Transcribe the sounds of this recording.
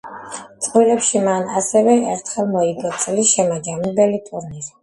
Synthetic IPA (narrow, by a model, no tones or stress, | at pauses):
t̪sʼqʼwiɾɛpʃimana̰sɛvɛɛɾt̪ʰχɛlˠmɔiɡɔt̪sʼliʃɛmad͡ʒambɛlit̪ʼuɾniɾi